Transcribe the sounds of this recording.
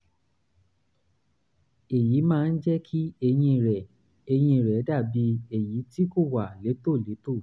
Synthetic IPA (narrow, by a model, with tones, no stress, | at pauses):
e˨ji˨˦mãː˦˧n̩˦d͡ʒɛ˦kʰi˦e˧j̃ĩ˧˨ɾɛ˨ | e˧j̃ĩ˧˨ɾɛ˨˦da˦˨bi˧˦e˨ji˨˦ti˦ko˦˨wa˨le˨˦to˦˨le˨˦to˦˨